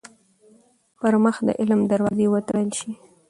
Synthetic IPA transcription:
pəɾməxd̪ə̰ʔɪlmd̪aɾwɑzewət̪ɽəlʃi

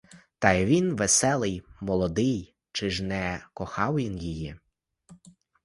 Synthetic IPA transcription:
t̪ɑjʋʲinʋesɛlˠɪjmɔlˠɔd̪ɪj | t͡ʃɪʒnɛkɔxɑwjinjiji

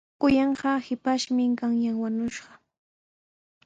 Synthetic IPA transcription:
kʊjɑɴɢɑhɪpaʃmɪŋkaŋjaŋwaɲʊʃɢɑ̥

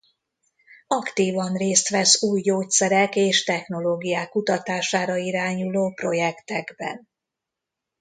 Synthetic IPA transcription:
ɒkt̪iːvɒnreːst̪ʋɛsuːjːoːt̪sɛɾɛkeːʃt̪ɛxno̞loːɡijaːkːut̪ɒt̪aːʃaːɾɒiɾaːɲuloːpro̞jɛkt̪ɛɡbɛ̰n

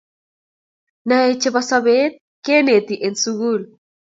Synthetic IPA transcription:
naet͡ʃeβasaβet̪̚ | kenet̪iʔensuɣul

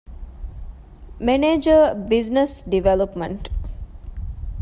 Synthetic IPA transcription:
meneːd͡ʒəbiznesɖiʋelopmeɳʈ

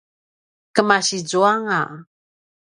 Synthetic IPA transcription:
kəmaɕid͡zuaŋa

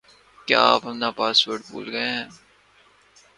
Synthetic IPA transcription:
kja̰ːaːpɦɐmnaːpaːsʋəʈbṵːlɡɐẽɦɛ̃ː

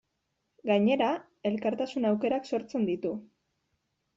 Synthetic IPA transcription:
ɡaɲe̞ɾa | e̞lkaɾt̪asunawke̞ɾakso̞ɾt͡se̞nd̪it̪u

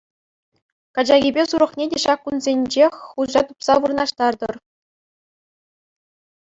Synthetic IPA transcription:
kɑd͡ʑɑɣʲibʲesuɾɤ̆χnʲedʲeɕɑkːunzʲenʲd͡ʑexʲχuʑɑt̪upsɑʋurɤ̆nɑʂt̪ɑrd̪ɤ̆r

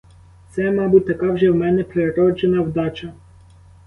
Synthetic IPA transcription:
t̪sɛmɑbut̚ʲt̪ɐkɑwʒɛwmɛnɛpɾeeɾɔt͡ʃɛnɐwd̪ɑt͡ʃɐ

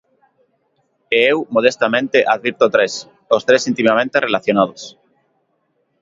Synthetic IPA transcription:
eewmoð̞est̪amẽnt̪eʔaðβiɾt̪ot̪ɾes | ost̪ɾesint̪imamẽnt̪erelaθjonað̞os

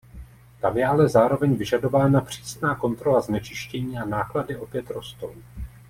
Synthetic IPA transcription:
t̪amjɛʔalɛzaːɾo̞vɛɲvɪʒado̞vaːnapr̥iːsnaːko̞nt̪ɾo̞laznɛt͡ʃɪʃcɛɲiːanaːkladɪʔopjɛt̪ɾo̞st̪ow

